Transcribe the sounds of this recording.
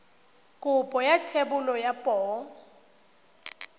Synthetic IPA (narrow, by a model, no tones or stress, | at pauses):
kʼʊpʼɔjatʰebʊlɔjapʼɔː